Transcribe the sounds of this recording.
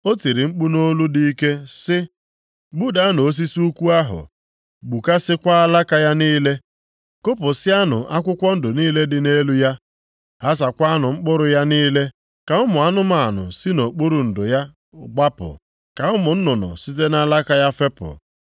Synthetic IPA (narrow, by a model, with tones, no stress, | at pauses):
o˦ti˨ɾi˨ŋ͡m̩˦k͡pu˦no˦lu˦di˦i˦ke˦sɪ˦ | ɡ͡bu˦da˦a˦no˨o˦s̬i˦su˦kʷu˦a˦ɦʊ̰˨ | ɡ͡bu˨ka˦sɪ˦kʷa˦a˦la˦ka˦ja˦niː˦le˦ | ko˦pʊ˨sɪ˦a˦nʊ̰˨ʔa˦kʷʊ˦kʷɔ˦n̩˦dʊ˨niː˦le˦dɪ˨ne˦lu˦ja˦ | ɦa˦s̬a˨kʷa˦a˦nʊ˨ŋ͡m̩˦k͡pʊ˦ɾʊ˨ja˦niː˦le˦ | ka˨ʊ˦mʊ˨a˦nʊ˦ma˦˨a˨nʊ̰˨si˦no˨k͡pʊ˦ɾu˨n̩˨dʊ˨ja˦˨ | ɡ͡ba˦pʊ̰˨ | ka˨ʊ˦mʊ˨n̩˦nʊ˨nʊ̰˨si˦te˦na˦la˦ka˦ja˦fe˦pʊ̰˨